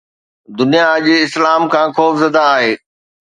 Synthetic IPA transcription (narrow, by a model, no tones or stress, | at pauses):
d̪ʊnijaʄɪslaːmkʰãːxoːfzɐd̪aːɦeː